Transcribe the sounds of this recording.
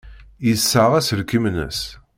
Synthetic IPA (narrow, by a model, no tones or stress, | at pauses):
jəsːaʁæsəɾkimnə̰s